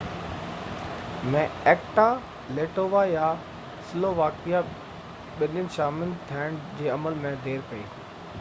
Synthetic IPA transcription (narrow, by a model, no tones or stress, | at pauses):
mɛ̃ɛːkʈa | leːʈoːʋaja | sɪloːʋaːkija | ɓɪnənɪ̆ʃaːmɪnɪ̆t̪ʰijaɽ̃d͡ʑeːɐməlmẽd̪ʱeːɾpɐḭː